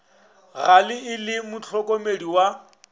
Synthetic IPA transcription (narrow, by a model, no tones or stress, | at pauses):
ɣalɪɪlɪmʊt͡ɬʰɔkʼɔmediwa